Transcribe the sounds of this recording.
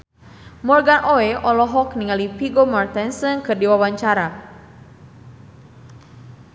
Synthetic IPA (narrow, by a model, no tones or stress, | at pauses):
mɔrɡanʔoɛʔɔlɔɦɔkniŋalipiɡomart̪ɛnsɨnkɨrdiwawaɲt͡ʃaɾa